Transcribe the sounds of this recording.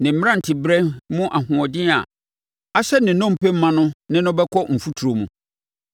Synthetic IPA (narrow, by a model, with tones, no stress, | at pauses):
nɪ̃˨m̩˨˦m˦ã˦˨n̩˨tʰɪ˨bɾɛ˦mʊ̃˦ʔa˨hʊ̃˨ɔ˨dɪ̃˦a̰˨ | a˦ɕɛ˦nɪ̃˨˦nɔ̃˦m˨pɛ˦m̩˦mã˦nʊ̃˦nɪ̃˦nʊ̃˦bɛ˦kʰɔ˦m̩˨fu˦tʰu˨ɾo˨mṵ̃˨